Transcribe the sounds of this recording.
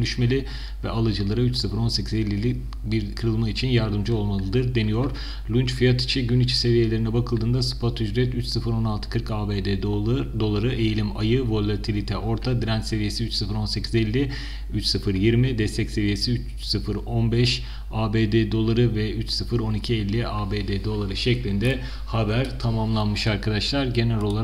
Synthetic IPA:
ønyʃme̞lʲɪ | vɛ̰ʔalˠɯd͡ʒɯlˠaɾɯyt͡ʃsɯfɯɾo̞nse̞cʰize̞lʲːilʲi | biɾkʰɯɾɯlˠmait͡ʃʰinjaɾd̪ɯmd͡ʒɯo̞lˠmalˠɯd̪ɯɾd̪e̞nijo̞ɾ̥ | lʲˠunt͡ʃfijat̪i̥t͡ʃʰiɟynit͡ʃʰi̥se̞vije̞lʲe̞ɾinɛbakʰɯlˠd̪ɯːnd̪asɯ̥pat̪ʰːyd͡ʒɾɛt̪yt͡ʃsɯfɯɾo̞nalˠt̪ʰɯ̥kʰɯɾkaːbeːd̪ed̪o̞lˠaɾɯʔe̞jilʲimajɯvo̞lʲˠat̪ʰilʲit̪ʰɛʔo̞ɾt̪ʰad̪ɾænt̪se̞vije̞siyt͡ʃsɯfɯɾo̞nse̞cʰizɛlʲːi | yt͡ʃsɯfɯɾjiɾmid̪ɛst̪ʰɛcse̞vije̞siyt͡ʃ | sɯfɯɾo̞nbɛʃ | aːbeːd̪ed̪o̞lˠaɾɯvɛyt͡ʃsɯfɯɾo̞nicʰiɛlʲːiʔaːbed̪ed̪o̞lˠaɾɯʃɛclʲind̪ɛ | habæɾt̪ʰamamlˠanmɯʃaɾkʰad̪aʃlˠaɾɟe̞nælʲo̞lˠa

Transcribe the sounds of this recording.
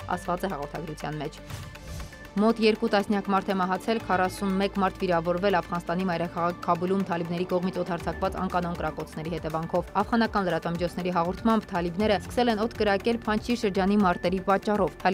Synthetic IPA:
ɑ̰st̪vɑt͡sɛhɑʁɔɾt̪ʰɑɡɾut͡sʰjɑ̰nmɛt͡ʃʰ | mɔt̪jɛɾkut̪ɑsnjɑkmɑɾt̪ʰɛmɑɦɑt͡sʰɛlkʰɑrɑsunmɛkmɑɾt̪ʰviɾɑvɔɾvɛlɑfʁɑnst̪ɑnimɑjɾɑkʰɑʁɑkʰːɑbulumt̪ʰɑlibnɛɾikɔʁmit͡sʰɔt̪ʰɑɾt͡sʰɑkvɑt͡sɑ̰ŋkɑnɔnkəɾɑkɔt͡sʰn̪ɛɾihɛt̪ɛvɑŋkʰɔvɑfʁɑnɑkɑnləɾɑt̪vɑmit͡ʃʰɔt͡sʰn̪ɛɾiɦɑʁɔɾt̪ʰmɑmbt̪ʰɑlibn̪ɛɾəskə̥sɛlɛnɔt̪ʰkəɾɑkɛlpʰɑnt͡ʃʰiʃəɾd͡ʒɑn̪imɑɾt̪ɛɾipɑt͡ʃːɑrɔvʰ

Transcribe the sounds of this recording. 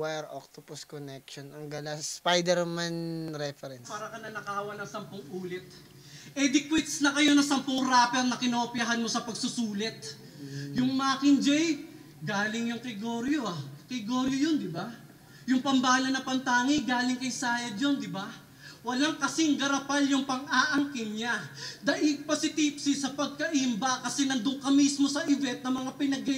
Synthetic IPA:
wɛɾo̰k̚t̪oposkonɛkʃonɐŋɡɐlaspajd̪ɛɾmanɾɛfɛɾɛnpaːɾɐkɐnɐnɐkaːwɐnɐŋsɐmpoŋʔuːlɪt̪̚ | ʔɛd̪ɪkwɛt̪snɐkɐjo̞nɐsɐmpoŋɾaːpɛɾnɐkɪnopjɐɦɐnmo̞sɐpɐɡ̚sʊsuːlɛt̪̚ | jʊŋmaːkɪnd͡ʒɛj | ɡaːlɪŋjʊŋkɐjɡoːɾjoakɐjɡoːɾjojond̪ɪba | jʊŋpɐmbaːlɐnɐpɐnt̪aːŋɪɡaːlɪŋkɐjsaːjɐd̪jond̪ɪba | wɐlaŋkɐsiŋɡɐɾɐpaljʊŋpɐŋaːʔɐŋkɪŋɲad̪ɐʔipɐsɪt̪ipsɪsɐpɐɡ̚kɐʔimbɐkɐsɛnɐnd̪ʊŋkɐmismo̞sɐʔɪvɛnt̪̚nɐmɐŋapɪnɐɡ̚ɐ

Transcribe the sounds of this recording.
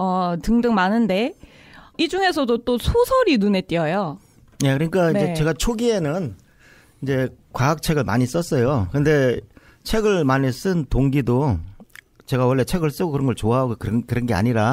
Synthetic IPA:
ʌtɯŋdɯŋmanɯnde̞ | id͡ʑuŋe̞sʰʌdot͈osʰosʰʌɾinune̞t͈iʌjo | je̞kɯɾʌɲik͈aind͡ʑe̞t͡ɕe̞ɡat͡ɕʰoɡie̞nɯn | ind͡ʑe̞kwaak̚t͡ɕʰe̞ɡɯɭmaɲis͈ʌs͈ʌjokɯnde̞ | t͡ɕʰe̞ɡɯɭmaɲis͈ɯntoŋɡido | t͡ɕe̞ɡawʌɭːe̞t͡ɕʰe̞ɡɯɭs͈ɯɡokɯɾʌnɡʌɭt͡ɕoaɦaɡokɯɾkɯɾʌnɡe̞a̰ɲiɾa

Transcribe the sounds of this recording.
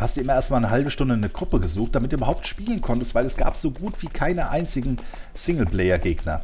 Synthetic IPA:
hastd̥uːɪmɐʔeːɐstmaːlnəɦalbəʃtʊndənəɡʁʊpəɡəzuːxt̚d̥amɪt̚duːʔybɐɦaʊp̚tʃpiːlənkʰɔntəstv̥aɪlɛsɡ̥a̰ːpz̥oːɡuːtv̥iːkʰaɪnəʔaɪnt͡sɪɡŋ̩ | sɪŋl̩plɛɪɐɡeːɡnɐ̰

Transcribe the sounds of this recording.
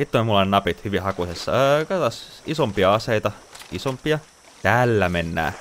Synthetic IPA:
sit̪ːolʲmulːɑenɑpit̪hyʋihɑkusesːɑkɑt̪ɑsisompiɑɑseit̪ɑisompiɑ | t̪æːlːæmenːæ̰ː

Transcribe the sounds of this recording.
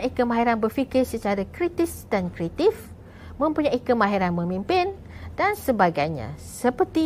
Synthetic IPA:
aʔikəmãɦiɾanbərfikɪrsət͡ʃaɾakɾit̪ɪsdankɾet̪if | mə̃mpuɲaʔikəmãɦiɾanmə̃mĩmpɪn | dansəbaɡajɲã̰səpərt̪i

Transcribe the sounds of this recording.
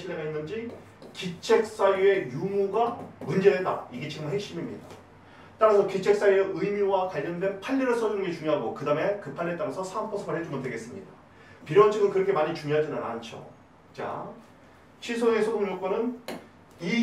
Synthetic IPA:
ɕʰiɭːeɡainːɯnd͡ʑi | kit͡ɕʰe̞k̚s͈ajue̞jumuɡamund͡ʑe̞deda̰iɡet͡ɕiɡɯmɯnɦekɕ͈imimɲḭda | t͈aɾasʰʌkit͡ɕʰe̞k̚s͈ajueɯimiwakwaʎːʌndwe̞npʰaʎːiɾɯɭs͈ʰʌd͡ʑunɯnɡe̞t͡ɕuŋjoɦaɡokɯdame̞kɯpʰaɭːet͈amʌnsʰʌsʰampʰʌsʰʌmɯɭhed͡ʑumɯntdweɡes͈ɯmɲḭda | piɾoʌt͡ɕʰɯɡɯnkɯɾʌkʰe̞maɲit͡ɕuŋjoɦad͡ʑinɯna̰nt͡ɕʰo̰ | t͡ɕa̰ | ɕʰisʰoŋe̞sʰodoŋd͡ʑok͈̚ʌnɯn | i

